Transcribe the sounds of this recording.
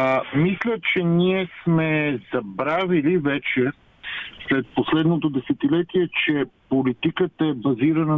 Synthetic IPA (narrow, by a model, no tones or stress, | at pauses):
mislʲət͡ʃɛniɛsmɛzɐbɾavilivɛt͡ʃɛ | slɛt̪̚poslɛd̪not̪od̪ɛsɛt̪ilɛt̪iɛt͡ʃɛpolit̪ikət̪əɛbɐziɾɐnə